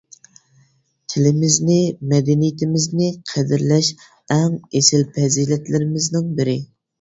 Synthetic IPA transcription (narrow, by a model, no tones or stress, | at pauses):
t̪ʰɪlɪmɪznɪmɛd̪ɛnijɪt̪ʰɪmɪznɪqʰɛd̪ɪɾlɛʃ | ɛŋesɪlpʰɛzilɛt̪lɪɾɪmɪznɪŋbɪɾɪ